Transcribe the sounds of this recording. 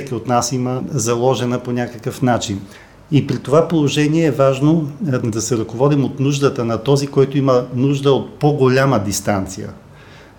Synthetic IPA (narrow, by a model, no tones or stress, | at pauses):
sɛkʲiot̪nasiməzɐlˠɔʒɛnəponʲakəkəfnat͡ʃin | ipɾit̪ovapolˠoʒɛniɛːvaʒnod̪ɐsɛɾɐkovɔd̪imot̪nuʒd̪ət̪ənɐt̪ɔzikɔjt̪oimənuʒd̪əot̪̚poɡolʲaməd̪ist̪ant̪sijə̰